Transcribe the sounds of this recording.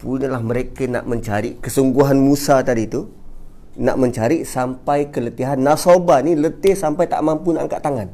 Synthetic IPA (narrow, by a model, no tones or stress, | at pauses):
punəlahməɾekəna̰ʔməɲt͡ʃaɾiʔkəsuŋɡuɦanmusat̪adit̪u | na̰ʔməɲt͡ʃaɾiʔsampajkələt̪iɦanːasobanilət̪ɪhsampajt̪a̰ʔmampunaʔaŋka̰ʔt̪aŋan